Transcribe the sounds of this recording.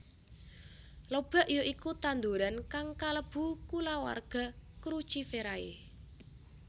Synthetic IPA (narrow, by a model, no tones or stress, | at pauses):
lob̥a̤ʔjoʔikut̪and̪uɾankaŋkaləb̥ṳkulawa̰rɡ̥a̤kɾu̥t͡ʃifeɾaḛ